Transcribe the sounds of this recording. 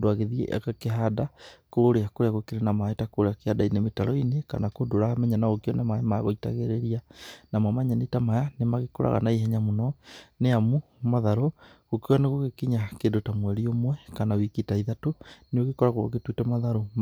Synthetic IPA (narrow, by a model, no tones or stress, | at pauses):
doaɣeðiɛ̰ʔkakeɦadakooɾeakoɾeaɣokeɾenamaetakooɾeakehadainemetaɾɔineka̰nakodoɾamɛɲanaɣokjɔnamaemaja̰ɣoita̰ɣeɾeɾianamamaɲanetamajanemaɣekoɾa̰ɣa̰naiɦɛɲamunɔneamu | maðaɾo | ɣokianeɣoɣekiɲakendotamwɛɾiomwɛkanawikitaiðatoneoɣekɔɾaɣoo̰ketwitɛmaðaɾom